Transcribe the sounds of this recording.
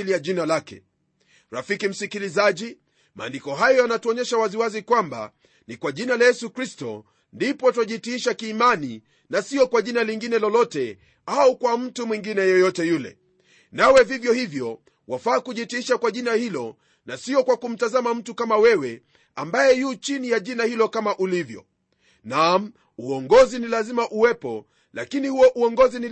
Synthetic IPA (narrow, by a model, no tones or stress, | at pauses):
lijaʄinalakɛ̰ | ɾafikim̩sikilizaʄi | ma̰ːndikɔɦajɔjanatuɔɲɛʃawaziwazikwamba̰ | nikwaʄinalajɛsukɾistɔ̰ | ndipɔtaʄitiiʃakiːmani | nasiɔkwaʄinaliŋɡinɛlɔlɔtɛ | aukwam̩tumwiŋɡinɛjɔjɔtɛjulɛ̰ | nawɛvivjɔhivjɔ | wʔafaːkuʄitiiʃakwaʄinahilɔ | nasiɔkwakum̩tazamam̩tukamawɛwɛ | ambajɛjut͡ʃinijaʄinahilɔkamaʔulivjɔ̰ | nam | uɔŋɡɔzinilazimaʔuwɛpɔ | la̰kinihuɔʔuɔŋɡɔzini